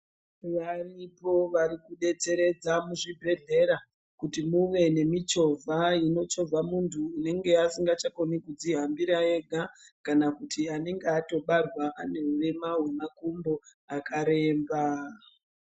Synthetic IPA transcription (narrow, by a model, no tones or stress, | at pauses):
ʋaripo̞ʋaɾikuɗe̞t͡se̞ɾe̞d͡zamuʐibʱe̞ɮe̞ɾa | kutimuʋe̞ne̞mit͡ʃo̞vʱaino̞t͡ʃo̞b͡vamuntʰuːne̞ŋɡe̞asiŋɡat͡ʃako̞nikud͡ziɦambiɾae̞ɡʱakanakutʰiane̞ŋɡeato̞ɓarwaʔane̞uʋe̞maɦwemakumbo̞ | akaɾe̞ːmba